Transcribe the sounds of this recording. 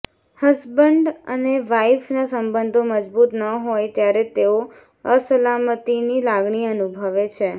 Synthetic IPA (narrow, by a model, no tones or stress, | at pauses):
həsbəɳɖə̰neʋaifnasəmbənd̪ʱoməd͡ʒbut̪nəɦojt̪jaɾet̪eo | əsəlamət̪inilaɡɳiənubʱəʋet͡ʃʰe